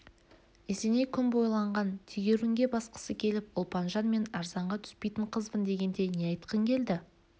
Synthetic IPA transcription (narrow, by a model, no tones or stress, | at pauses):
ese̞ne̞kʲʰʏnbo̞jlˠɑɴʁɑnt̪ʰiɡʲeɾɪŋɡʲe̞bɑsqə̥səkʲʰe̞lɪpʊlˠpɑnʒɑnme̞nɑɾzɑɴʁɑt̪ʰʏ̥spe̞jt̪ɪɴqʰəzbənd̪e̞ɡʲe̞nd̪e̞nejɑjt̪qəŋkʲʰe̞ld̪ɪ